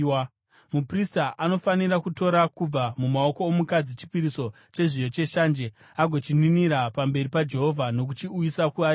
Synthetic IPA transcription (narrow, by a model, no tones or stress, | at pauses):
mupristaʔano̞faniɾakuto̞ɾakub͡vamumao̞ko̞ːmukad͡zit͡ʃi̥piɾiso̞ | t͡ʃe̞ʐijo̞t͡ʃe̞ʃaːnd͡ʒe | aɡʱo̞t͡ʃininiɾapambe̞ripad͡ʒe̞ɦo̞vʱano̞k̬ut͡ʃiujisakuaɾ